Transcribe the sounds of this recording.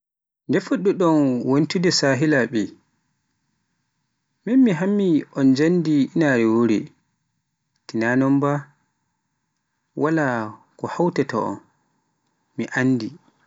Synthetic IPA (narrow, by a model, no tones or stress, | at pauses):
ndɛfoɗːuɗɔnwonitudɛsaːɦilaɓi | minmiɦamːiɔnd͡ʒandiinaɾɛwoɾḭ | tinanɔmba | wʔala | kɔhawtɛtʰɔ̰ɔ̰n | miʔanːdi